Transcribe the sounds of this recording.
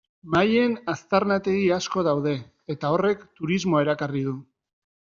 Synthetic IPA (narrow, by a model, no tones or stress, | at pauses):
maje̞nast̪aɾnat̪e̞ɣiasko̞ðawð̞e̞ | et̪ao̞re̞kt̪uɾizmo̞e̞ɾakariðu